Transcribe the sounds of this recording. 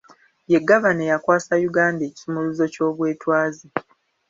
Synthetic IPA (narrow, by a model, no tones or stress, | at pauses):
je̞ɡːaβanejakwaːsajuɡaːnde̞ːci̥sumuluzo̞co̞ːβwe̞ːtwaːzi